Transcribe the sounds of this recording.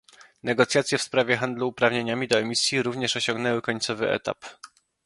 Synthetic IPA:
nɛɡɔt̪sʲjat̪sʲjɛfspɾavʲjɛxand̪luːpɾavɲeɲamʲid̪ɔɛmʲisʲjiɾuvɲɛʂɔɕɔ̃ŋɡnɛwɘkɔɲt̪sɔvɘʔɛ̰t̪a̰p

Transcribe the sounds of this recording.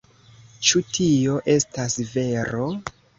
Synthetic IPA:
t͡ʃutʰio̞ʔe̞stasve̞ɾo̞

